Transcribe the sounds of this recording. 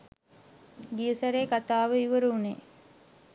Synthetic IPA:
ɡiəsəɾeːkat̪aːʋəiʋəɾuːnḛ

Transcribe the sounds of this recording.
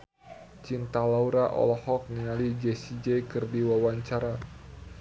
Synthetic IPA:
t͡ʃint̪alauɾaʔɔ̰lɔhɔk̚niŋalid͡ʒɛsid͡ʒɛkɨrdiwawaɲt͡ʃaɾa

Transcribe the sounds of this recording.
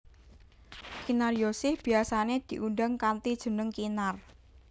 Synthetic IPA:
kinarjosɪhb̥i̤asaned̪̥i̤ʔundaŋkant̪id̥ʒ̥ə̤nəŋkinar

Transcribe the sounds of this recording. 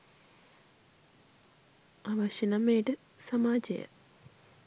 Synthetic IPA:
ɐʋɐɕɐnɐmeːʈɨ | sɐmaːd͡ʑɐ̰jɐ̰

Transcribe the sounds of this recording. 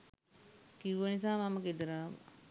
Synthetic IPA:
kiʋʋənis̬aːmaməked̪əɾaːʋ̰

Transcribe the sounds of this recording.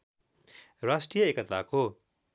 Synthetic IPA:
ɾasʈrijʌekət̪ʰako

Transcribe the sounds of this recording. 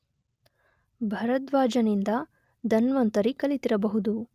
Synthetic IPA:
bʱɐɾɐt̪ʋaːd͡ʒɐnind̪ɐ | d̪ʱɐnʋɐnt̪ɐɾikɐlit̪iɾɐbɐɦud̪u

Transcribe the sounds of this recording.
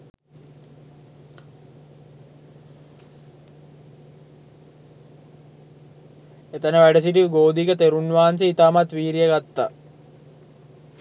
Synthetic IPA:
et̪ənəʋæɖəsiʈiʋɡoːd̪ikət̪eɾunʋaːanseit̪aːmat̪ʋiːɾijəɡat̪ːa

